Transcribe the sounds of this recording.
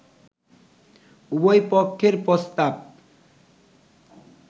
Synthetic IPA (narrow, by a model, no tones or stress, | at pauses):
ubojpokʰːeɾpɾost̪ab̚